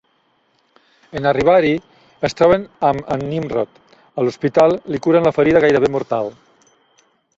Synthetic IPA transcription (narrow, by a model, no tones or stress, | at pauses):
enariβ̞aɾi | əst̪ɾɔβ̞enamənːimrɔt̪ | əluspit̪alˠlikuɾənləfəɾiðəɣajɾəβemuɾt̪alˠ